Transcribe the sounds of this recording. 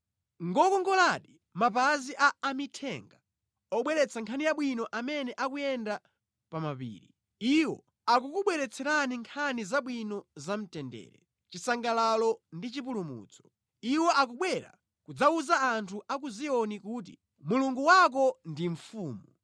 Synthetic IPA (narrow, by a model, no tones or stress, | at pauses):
ŋɡɔkɔŋɡɔlaɗi | mapaziʔaːmitʰɛ̰ŋɡa | ɔɓwɛɾɛt͡sʰaŋkʰaniaɓwinɔʔamɛnɛʔakujɛnda | pamapḭːɾi | iwɔ̰ | ak̬ukuɓwɛɾɛt͡sʰɛɾaniŋkʰanizaɓwinɔzam̩tɛndɛ̰ːɾɛ̰ | t͡ʃisaŋɡalalɔndit͡ʃipulumṵt͡sʰɔ̥ | iwɔʔak̬uɓwɛɾa̰ | kud͡zauzaːntʰuʔak̬uziɔnikuːt̬ḭ | muluŋɡuwak̬ɔndiɱ̩fuːmu